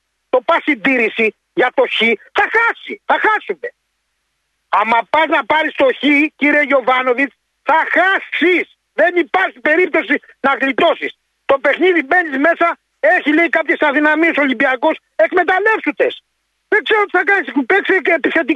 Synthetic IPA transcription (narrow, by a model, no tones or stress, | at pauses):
t̪o̞pɐsind̪iɾisi | ʝɐt̪o̞çiθɐxɐsiθɐxɐsume̞ | ɐmɐpɐznɐpɐɾist̪o̞çiciɾiejo̞vɐno̞vit͡s | θɐxɐsis | ðe̞nipɐɾçipe̞ɾip̚t̪o̞si | nɐɣlit̪o̞sis | t̪o̞pe̞xniðibe̞nizme̞sɐ | e̞çilejkɐpçesɐðinɐmieso̞limbiɐko̞s | e̞kme̞t̪ɐle̞fsund̪e̞s | ðeɡzeɾoot̪i̥θɐkɐnisupekseːpiθe̞t̪i